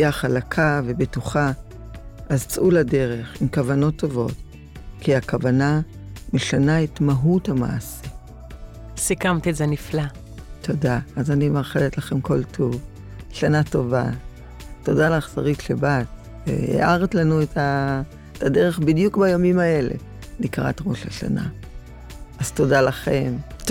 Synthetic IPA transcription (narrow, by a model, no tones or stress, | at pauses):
aχalakʰave̞betuχa | azt͡sulade̞ʁe̞χimkavano̞tːovo̞̰t | kiakavanameʃanaetmaɦuthama̰asi | sikamt̪ezenifla | tʰo̞daːzanimaʁχeletlaχe̞mko̞ltʰuv | ʃanato̞va̰ | to̞dalaχsa̰ʁitʃebat | ḛḛʔaʁtlanuetʰa | etʰadeʁe̞χbidjukbajamimae̞le̞̰ | nikʁa̰tʁo̞ʃaʃa̰na̰ | azto̞dalaχe̞m